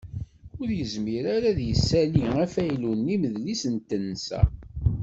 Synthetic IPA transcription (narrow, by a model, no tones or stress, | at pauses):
ʊɾjəzmiɾaɾæðjəsːæliŋæfæjlunːiməðlisənt̪ənːsæ̰